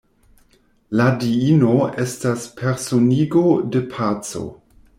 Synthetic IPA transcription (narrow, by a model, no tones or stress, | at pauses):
ladiino̞e̞staspʰe̞ɾsoniɡode̞pʰat͡so̰